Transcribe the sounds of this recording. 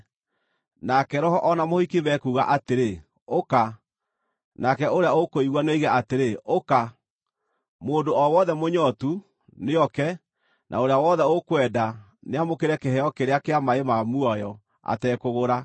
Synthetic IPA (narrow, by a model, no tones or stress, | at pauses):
nakɛɾɔɦɔʔɔnamohikiβɛkuːɣa̰ʔateɾe | oka | nakɛoɾeaokoiɣwaneiɣaateɾeoka | moːndoɔwɔðɛmoɲɔtu | neɔkɛ | nʔa̰oɾeawɔðɛokwɛːda | neamokeɾɛkɛhɛɔkeɾeakeamaemamuɔjɔ | a̰tɛkoɣoɾa